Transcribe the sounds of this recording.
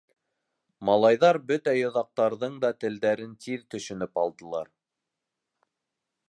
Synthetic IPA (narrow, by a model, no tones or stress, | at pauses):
mɑlˠɑjðɑɾbɵt̪æjŏðɑq̚t̪ɑɾðɤɴd̪ɑt̪ɘ̆ld̪æɾɘnt̪iðt̪ɵ̆ʃɵ̆nɵpɑlˠd̪ɤ̆lˠɑɾ